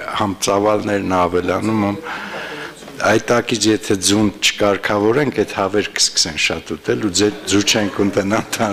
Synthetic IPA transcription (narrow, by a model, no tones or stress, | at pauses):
hɑmt͡sɑvɑlnɛɾnɑvɛlɑnumɛm | ɑjt̪ɑkit͡sʰjɛt̪ʰɛd͡zunt͡ʃʰə̥kɑɾkʰɑvɔɾɛŋkʰɛt̪hɑvɛɾkʰə̥skə̥sɛnʃɑt̪ut̪ɛlud͡zɛɾd͡zut͡ʃʰɛŋkʰunt̪ɛnɑnt̪ʰɑ